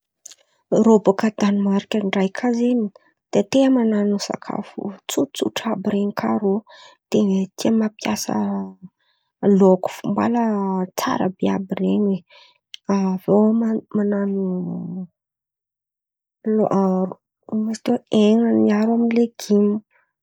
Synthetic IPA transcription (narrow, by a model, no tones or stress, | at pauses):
robakəd̪animaɾikʲəɳɖ͡ʐajkʰazeni | d̪̥et̪emananusa̰kʰa̰fṵt͡sut͡sṵʈ͡ʂabiɾeŋikʰaɾot̪enet̪iəmapjasə̰ | loku̥fumba̰lət͡sa̰ɾə̰bea̰bireɲe | avowmmananu | loʔaɾu̥ | mast̪eweŋaniaɾaminleɡ̥imu